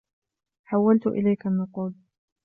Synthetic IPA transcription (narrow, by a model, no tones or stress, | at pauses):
ħawːalt̪ʊʔɪ̰lajkanːʊquːl